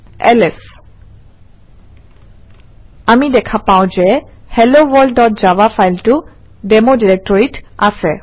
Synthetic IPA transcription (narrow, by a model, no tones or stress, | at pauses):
ɛlɛs | amidɛkʰapawʊ̃zɛhɛlowɔɹɖɔt̚zabafajltʊ | dɛmodiɹɛk̚tɔɹitasɛ